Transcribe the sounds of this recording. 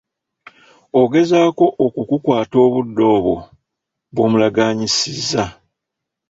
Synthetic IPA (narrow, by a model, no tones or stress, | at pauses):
o̞ɡe̞zaːko̞ʔokukukwaːto̞ːβudːo̞ːβo̞ | βomulaɡaːɲisizːa